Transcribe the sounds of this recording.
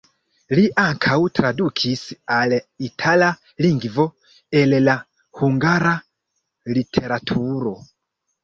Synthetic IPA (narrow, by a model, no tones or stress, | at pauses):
liʔaŋkʰautʰɾadukʰisialɛitʰala | liŋɡivɔ | ɛlɛla | huŋɡaɾa | litʰɛɾatʰuɾɔ